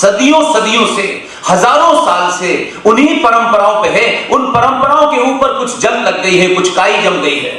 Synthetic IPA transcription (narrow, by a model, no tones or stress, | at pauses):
sɐd̪ijõsɐd̪ijõse | hɐzaːɾõsaːlse | ʊnɦipɐɾə̃mpəɾaːõpẽɦɛ̃ʊnpɐɾə̃mpəɾaːõkeuːpəɾkʊt͡ʃʰd͡ʒɐmlɐɡɡɐiɦɛkʊt͡ʃʰkaːid͡ʒɐ̃mɡɐiɦɛ̰ː